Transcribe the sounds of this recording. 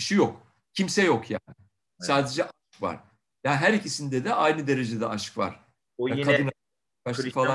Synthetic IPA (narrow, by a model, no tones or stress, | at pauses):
iʃijok | cʰimsɛjo̞kʰja̰ːnɪ | saːd̪e̞d͡ʒɛʔaʃkva̰ɾ̥ | jaːnɦæɾicisind̪ɛd̪ɛʔajnɯd̪e̞ɾe̞d͡ʒed̪ɛaʃɯ̥kva̰ɾ̥ | kʰad̪ɯna | kaʃfalˠa